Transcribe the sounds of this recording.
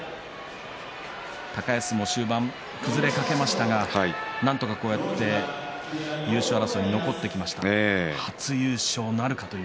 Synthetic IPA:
t̪akaesɨmo̞ɕɨːbãm | kɯ̟zɨɾe̞kake̞maɕi̥t̪aɡaanãnt̪o̞kako̞ːjat̪ːe̞ | jɯ̟ːɕoaɾaso̞ːɲ̟ino̞ko̞t̪ːe̞kʲimaɕi̥t̪aehat͡sɨjɯːɕo̞ːnaɾɯ̟kat̪oj

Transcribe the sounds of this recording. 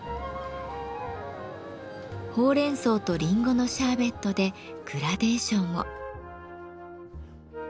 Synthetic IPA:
ho̞ːɾẽ̞ɰ̃so̞ːt̪o̞ɾʲĩŋɡo̞no̞ɕaːbe̞t̪ːo̞d̪e̞ | kɯ̟ɾad̪e̞ːɕõɰ̃o̰

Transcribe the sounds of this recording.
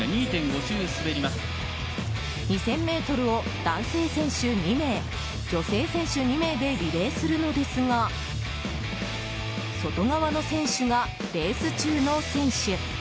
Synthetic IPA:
aɲ̟iːt̪ẽ̞ŋɡo̞ʑɨːsɨbe̞ɾʲimasɨ̥ | ɲ̟isẽ̞mːe̞ːt̪o̞ɾɯ̟o̞ | d̪ãɰ̃se̞ːsẽ̞ɰ̃ɕɨɲ̟ime̞ː | d͡ʑo̞se̞ːsẽ̞ɰ̃ɕɨɲ̟ime̞ːd̪e̞ɾʲiɾe̞ːsɨɾɯ̟no̞d̪e̞sɨɡa | so̞t̪o̞ɡaβano̞sẽ̞ɰ̃ɕɨɡa | ɾe̞ːsɨt͡ɕɨːno̞sẽ̞ɰ̃ɕɨ

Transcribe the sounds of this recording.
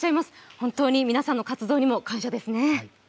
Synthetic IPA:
ɕaimasɨ̥hõnt̪o̞ːɲ̟imʲinasãnːo̞kat͡sɨd̪o̞ːɲ̟imo̞kãɰ̃ɕad̪e̞sɨne̞

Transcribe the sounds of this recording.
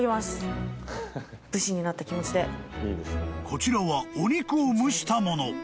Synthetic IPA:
imasɨ̥ | b̥ɯ̟ɕiɲ̟inat̪ːakʲimo̞t͡ɕid̪e̞ | kʰo̞t͡ɕiɾaβaoɲ̟ʲikɯ̟omɯ̟ɕi̥t̪amo̞no̞

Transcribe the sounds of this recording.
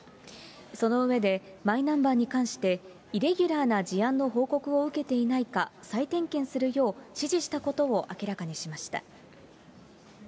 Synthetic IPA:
so̞no̞ɯ̟βe̞d̪e̞mainãmbaːɲ̟ikãɰ̃ɕi̥t̪e̞ | iɾe̞ɡʲɯɾaːnad͡ʑiãnːo̞ɦo̞ːko̞kɯ̟o̞ɯ̟ke̞t̪e̞inaikasait̪ẽ̞ŋkẽ̞ɰ̃sɨɾɯ̟jo̞ːɕiʑiɕi̥t̪ako̞t̪o̞oʔakʲiɾakaɲ̟iɕimaɕi̥t̪a̰

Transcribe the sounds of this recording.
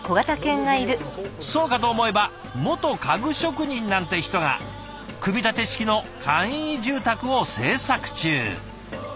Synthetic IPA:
ko̞ɡat̪akẽ̞ŋɡaiɾɯ̟so̞ːkat̪̬o̞ːmo̞e̞ba | mo̞t̪o̞kaɡɯ̟ɕo̞kɯ̟ɲ̟ĩnnãnt̪eçi̥t̪o̞ŋa̰ | kɯ̟bʲit̪at̪e̞ɕi̥kʲino̞kʰãɰ̃iʑɨːt̪akɯ̟o̞se̞ːsakɯ̟̥t͡ɕɨ̰ː

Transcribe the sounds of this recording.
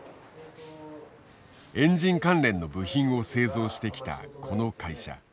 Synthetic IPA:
ẽ̞ɲd͡ʑĩŋkãnɾẽ̞nːo̞bɯ̟çĩɰ̃o̞se̞ːzo̞ːɕi̥t̪e̞kʲi̥t̪a̰kʰo̞no̞kaiɕa̰

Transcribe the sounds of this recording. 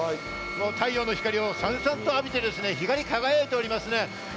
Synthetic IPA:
moːt̪ʰaio̞ːno̞çʲi̥kaɾʲio̞sãɰ̃sãnt̪oapʲit̪e̞d̪e̞sɨne̞çiɡaɾʲikaɡajeet̪e̞oɾʲimasɨne̞

